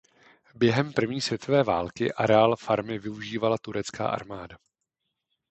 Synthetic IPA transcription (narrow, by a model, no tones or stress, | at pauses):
bjɛɦɛmpr̩vɲiːsvjɛt̪ʰo̞vɛːvaːlkɪ̰ʔaɾɛalfaɾmɪvɪuʒiːvalat̪uɾɛt͡ska̰ːʔa̰ɾmaːda